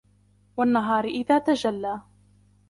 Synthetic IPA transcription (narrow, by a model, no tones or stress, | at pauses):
wanːaɦɑːɾɪʔɪðaːt̪ad͡ʒalːaː